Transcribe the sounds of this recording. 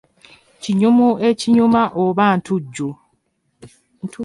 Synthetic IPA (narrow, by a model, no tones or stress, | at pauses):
ciɲumue̞ciɲumaʔoβantʰuɟːu